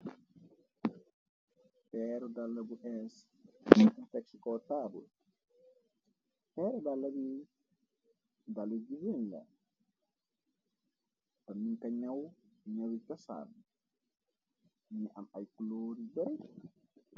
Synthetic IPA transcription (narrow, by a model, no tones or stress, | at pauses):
pɛɾɔdalːabuʔɛs | taksikɔtabṵl | pɛɾɔdalːabi | dalːed͡ʒiwɛnda̰ | tɔmːinkaɲawɲawitasa̰l | niʔa̰majkuloɾibɛɾɛ